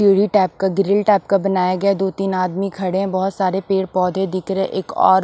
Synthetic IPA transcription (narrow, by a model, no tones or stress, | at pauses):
iːɽiʈɛːp̚kaɡɪɾɪlʈɛːp̚kabɐnaːjaɡɐad̪oːt̪iːnaːd̪mikʰɐɽeɛ̃bɔɦʊt̪saːɾepeːɽpɔːd̪ʱẽd̪ɪkɾɛʔeːkɔ̰ːɾ